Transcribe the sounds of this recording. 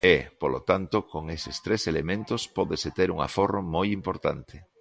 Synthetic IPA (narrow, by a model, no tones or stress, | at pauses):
epolʔo̰t̪ant̪okoŋesɪst̪ɾeselemẽnt̪ospɔðeset̪eɾuŋa̰foromojimpoɾt̪a̰nt̪ʰɪ